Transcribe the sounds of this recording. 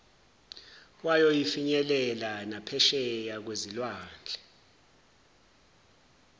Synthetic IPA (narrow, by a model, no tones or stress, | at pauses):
wajɔjifiɲɛlɛlanapʰɛʃɛjak̬wezilwaːnd͡ɮʱɛ